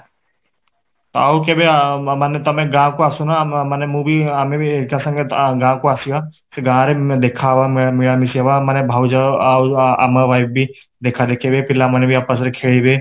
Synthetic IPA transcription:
t̪aokebemanet̪ɐmẽɡãːkoasunamənemũbiamẽikasə̃ŋɡeɡãːkoasia | seɡãːɾed̪ekʰaʋameɽamɪsiaʋamanebʱaːwd͡ʒa | a̰maʋaːɪb̚bʱi | d̪ekʰad̪ekʰebepɪlamanebʱiaːpəs̬ɾekʰeːɭibe

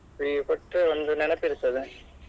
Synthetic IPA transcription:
ipɔʈːɯʋɐnd̪ɯnɛnɛpːɪɾɯt̪ːɐðɯ

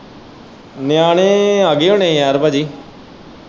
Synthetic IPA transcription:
njaːɽ̃eːaɡeːõnẽːjaːɾbaːd͡ʒiː

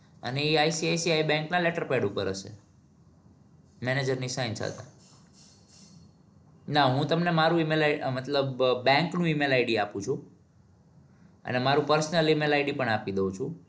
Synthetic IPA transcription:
ə̰neiajsiajsiaibɛ̃ŋknaleʈəɾpeɽupəɾəʃḛ | mɛned͡ʒəɾnisãjnt͡ʃʰa̰t̪a | naɦũt̪əmnemaɾũimelaimət̪ləbːɛ̃ŋknũimelajɖiapũt͡ʃʰũ | ə̰nemaɾũpəɾsnəlimelajɖipəɳapid̪əũt͡ʃʰũ

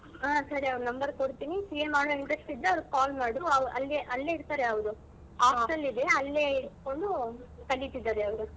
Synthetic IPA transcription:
aːsɐɾiɐʋɾunɐmbɐɾkoɽt̪iːnisiːjemaːɽoiɳɖɾɐsʈid̪ːeɐʋɐɾkaːlmaːɽuɐʋʔɐlːeʔɐlːe̞iɾt̪aːɾeɐʋd̪u | aːsɐlːid̪eɐlːe̞iɾt̪ko̞ɳɖukɐɭːit̪ːid̪ːaːɾeɐʋɾu

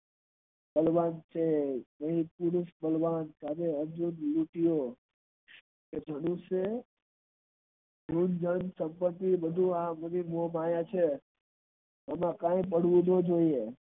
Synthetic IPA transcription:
ɓəlʋaːnt͡ʃʰenəɦĩpʊɽʊsbəlʋaːnkaːdeəɾd͡ʒunluːʈɪjo | ked͡ʒʱənũse | d͡ʒʱund͡ʒənsə̃mpət̪ːiʋəd̪ʱuaːmənimoːmaːjãt͡ʃʰe | əmãkãːẽp̬əɽ̤ʋũd̪ʱod͡ʒoːie

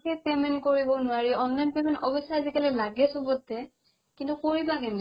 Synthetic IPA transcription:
kɛpɛmɛnkoɹibɔnʊwaɹiɔnːajnpɛmɛntɔbɔsaazikalɛlaɡɛsɔbɔtːɛ | kintukoɹibakɛn

